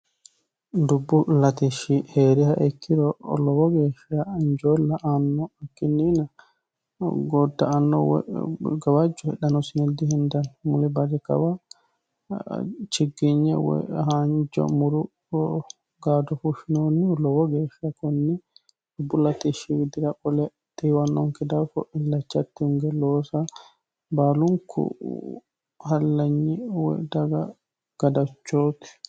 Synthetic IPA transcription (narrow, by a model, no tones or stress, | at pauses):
ndubːulatiʃiheɾihaʔekʰːiɾɔlɔbɔɡɛfiaːɲd͡ʒɔlːaʔanːɔakːinina | ɡɔdːaanːɔ̰wɛ̰ɡawad͡ʒɔhɛɗanɔsinedihindanmulibad͡ʒɛka̰wa | t͡ʃiɡːiɲɛ̰wɛ̰haɲd͡ʒɔ̰muɾu | ɡaːd̪ɔfuʃinoːnilɔwɔɡɛʃakɔnːɛ | bulat̪ɛʃiwid̪ɪɾaʔɔlɛ | t̪iwanːɔŋkɛd̪afɔ̰ʔilːɐt͡ʃːat̪ːɛuŋɡɛloːsa | baːluŋkʰṵ | halːaɲːɛwɛ̰d̪aɡa | ɡ̥ad̪at͡ʃːoːt̪ɛ̥